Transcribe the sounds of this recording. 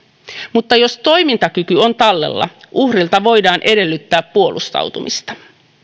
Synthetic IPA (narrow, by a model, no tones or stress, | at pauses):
mut̪ːɑjo̞st̪o̞jmint̪ɑkykyo̞nt̪ɑlːe̞̰lːɑ̰ʔuhrilt̪ɑʋo̞jdɑːnʔe̞de̞lːyt̪ːæːpːuolust̪ɑ̰wt̪umʔḭst̪ɑ̥